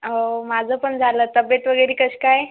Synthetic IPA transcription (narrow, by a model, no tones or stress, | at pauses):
ɦomad͡zʱəpəɳd͡zʱalət̪əbet̪ʋəɡəjɾikəɕkaj